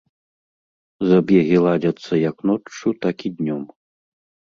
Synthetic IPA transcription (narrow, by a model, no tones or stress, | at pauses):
zɐbʲjɛɣʲilˠad͡zʲɐt̪sːɐjɐknɔut̪akʲid̪ʲnʲɔm